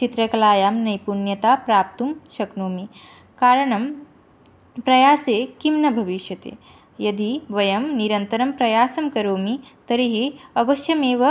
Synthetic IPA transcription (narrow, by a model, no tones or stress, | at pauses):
t͡ʃit̪ɾɐkɐlaːjaːmnɐjpunjɐt̪aːpɾaːp̚t̪umʃɐknoːmi | kaːɾɐɳɐm | pɾɐjaːseːkimnɐbʱɐʋiʃjɐt̪ḛː | jɐd̪iʋɐjɐmniɾɐnt̪ɐɾɐmpɾɐjaːsɐmkɐɾoːmit̪ɐɾiɦiɐʋɐʃjɐmeːʋɐ